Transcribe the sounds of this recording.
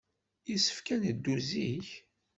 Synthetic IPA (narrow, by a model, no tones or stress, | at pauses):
isə̥fkænəd̪ːuziç